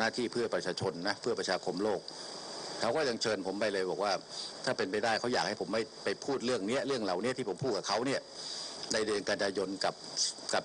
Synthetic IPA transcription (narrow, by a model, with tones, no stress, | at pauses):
naː˥˩t̪ʰiː˥˩pʰɯ˥˩ɐpɾa˧t͡ɕʰaː˧t͡ɕʰo˧nːa˦˥pʰɯ˥˩ɐpɾa˧t͡ɕʰaː˧kʰo˧mloː˥˩k̚kʰa˦˥wkɔː˥˩ja˧ŋt͡ɕʰɤː˧npʰo˩˦mba˧˩jlɤː˧jbɔː˨˩k̚waː˥˩t̪ʰaː˥˩pe˧np̬a˧jdaː˥˩jkʰa˦˥wjaː˨˩k̚ha˥˩jpʰo˩˦mːa˥˩jpa˧jpʰuː˥˩t̪̚ɾɯ˥˩əŋni˦˥ɐʔɾɯ˥˩əŋla˨˩wni˦˥ɐt̪iː˥˩po˩˦mpʰuː˥˩t̪̚ka˨˩kʰa˦˥wni˥˩ɐna˧jdɯ˧nka˧njaː˧jo˧nka˨˩p̚ka˨˩p